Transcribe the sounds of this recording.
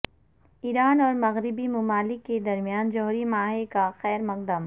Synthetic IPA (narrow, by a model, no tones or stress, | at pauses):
iːɾaːnɔːɾmɐɣɾɪbimʊmaːlɪkːed̪ɐɾmijaːnd͡ʒɔɦɾimaːɦekaxɛːɾmɐq̚d̪əm